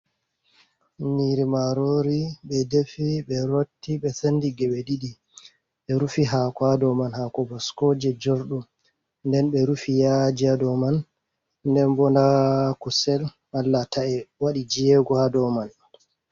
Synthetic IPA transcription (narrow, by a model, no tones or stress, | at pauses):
niɾimaɾoɾiɓɛdefiɓɛɾotːiɓɛsandiɡɛɓɛɗiɗi | ɓɛɾufiɦakadɔmanhakɔbɔskoːd͡ʒɛd͡ʒoɾɗum | ndɛnɓɛɾufijad͡ʒiadɔman | ndɛnbɔndakusɛl | alːataʔɛwaɗid͡ʒijɛɡɔhadɔman